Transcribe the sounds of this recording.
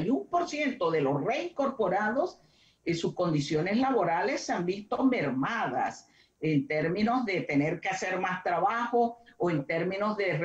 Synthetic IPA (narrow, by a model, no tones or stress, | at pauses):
jumpo̞ɾsje̞nt̪o̞ðe̞lo̞sreiŋko̞ɾpo̞ɾaðo̞s | esusko̞nd̪isjo̞ne̞slaβo̞ɾale̞sːeambist̪o̞me̞ɾmaða̰s | ent̪eɾmĩno̞zðe̞t̪e̞ne̞ɾkease̞ɾmast̪ɾaβaxo̞oent̪e̞ɾmĩno̞zðe̞r